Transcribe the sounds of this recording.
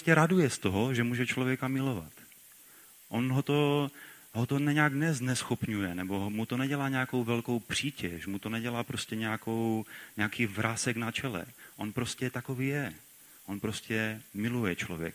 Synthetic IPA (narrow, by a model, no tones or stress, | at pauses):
scɛɾadujɛst̪oɦoʒɛmuːʒɛt͡ʃlovjɛkamɪlo̞va̰t̪ | ʔonɦot̪o̞ | ɦot̪onɛɲaknɛznɛsxopɲujɛnɛbo̞mut̪o̞nɛɟɛlaːɲɛako̞wvɛlko̞wpr̝̥iːcɛʃmut̪onɛɟɛlaːpɾo̞scɛɲɛjakowɲɛakiːvɾʔaːsɛknat͡ʃɛlɛ̰ʔonpɾo̞scɛt̪ako̞viːjɛ | ʔonpɾo̞scɛmɪlujɛt͡ʃlo̰vjɛ̰k̚